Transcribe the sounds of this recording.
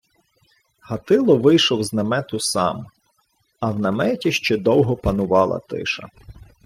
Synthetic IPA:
hɐt̪ɪlˠɔʋɪjʃɔwznɐmɛt̪ʊsɑ̰m | ɐwnɐmɛtʲiʃt͡ʃɛd̪ɔwɦɔpɐnʊʋɑlˠɐ̰t̪ɪ̰ʃɐ̰

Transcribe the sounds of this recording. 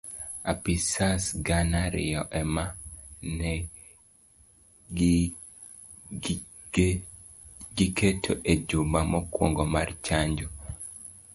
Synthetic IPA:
apisasɡanaɾɪ̰jɔʔɛmanɛ | ɡikʰetʰoʔed͡ʒumamɔkwoŋɡomart͡ʃaɲd͡ʒu

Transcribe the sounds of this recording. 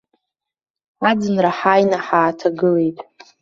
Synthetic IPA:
ad͡zɨnraħajnaħaːtʰaɡɨlejtʼ

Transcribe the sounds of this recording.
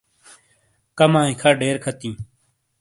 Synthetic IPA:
kəmãːɪ̃kʰaːɖeːɾkʰət̪ĩː

